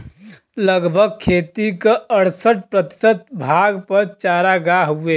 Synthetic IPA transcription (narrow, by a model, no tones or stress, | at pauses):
ləɡbʱəɡ̚kʰeːt̪ikeəɽsəʈ̚pɾət̪i̥sət̪̚bʱaɡpəɾt͡ʃaɾaɡaɦue